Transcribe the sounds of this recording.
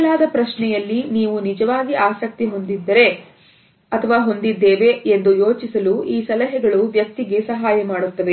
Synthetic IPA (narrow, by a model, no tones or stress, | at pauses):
laːd̪ɐpɾɐʃɳɛjɐlːiniːʋunid͡ʒɐʋaːɡiʔaːsɐk̚t̪iɦo̞nd̪id̪ːɐɾe̞ | ɐt̪ʰɐʋaːɦo̞nd̪id̪ːeːʋeend̪ujo̞ːt͡ʃisɐluiːsɐlɐɦɛɡɐɭuʋjɐk̚t̪iɡe̞sɐɦaːjɐmaːɽut̪ːɐʋe